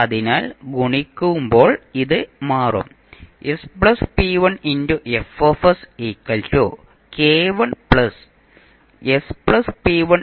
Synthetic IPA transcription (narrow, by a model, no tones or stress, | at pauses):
ɐðinaːlɡuɳikʲːuʋumbo̞ːɭiðɨmaːrɐ̰m | espɭɐspiːʋɐɳinduʔefofɐsiːkːɐltoː | keːʋɐɳpɭɐs | espɭɐspiʋɐn